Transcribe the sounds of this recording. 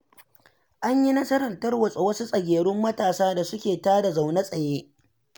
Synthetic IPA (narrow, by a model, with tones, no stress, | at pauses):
ʔa˦ɲji˦nɐ˦sɐ˦ɾɐ˨ntɐ˦rwɐ˨sʼo˨wɐ˦su˦sʼɐ˨ɡʲeː˨ɽʊ˦mːɐ˦taː˨saː˦da˨sʊ˦kʲeː˨taː˦da˨za˨wnɐ˦sʼɐ˨jeː˦